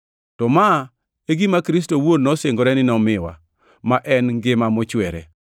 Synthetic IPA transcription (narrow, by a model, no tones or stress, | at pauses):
tɔma | eɡimakɾistowodnɔseŋɡoɾɛnɪnɔmɪwa̰ | maʔɛnɡɪmamɔt͡ʃwɛɾɛ̰